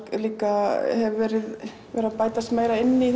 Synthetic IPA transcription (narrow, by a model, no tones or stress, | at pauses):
kliːkahɛvvɛːɾɪð | vɛɾaðpaːjt̪ast̪meːjɾaɪnːɪθ